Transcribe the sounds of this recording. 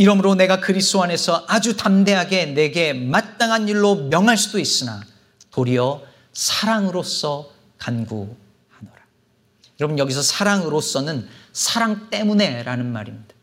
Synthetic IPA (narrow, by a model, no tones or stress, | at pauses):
iɾʌmɯɾone̞ɡakɯɾistoane̞sʰʌʔad͡ʑutamde̞ɦaɡe̞ne̞ɡe̞mat̚t͈aŋɦaniɭːomjʌŋɦaɭs͈udois͈ɯna | toɾiʌ | sʰaɾaŋɯɾos͈ʌ | kanɡu | hanʌɾa | jʌɾʌbɯnjʌɡisʰʌsʰaɾaŋɯɾos͈ʌnɯnsʰaɾaŋt͈e̞mune̞ɾanɯnma̰ɾimɲidḁ